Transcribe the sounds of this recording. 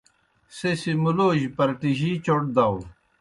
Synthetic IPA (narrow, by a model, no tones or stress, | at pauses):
sesimuloːʑpɐɾʈiʑiːt͡ɕoʈ̚d̪aw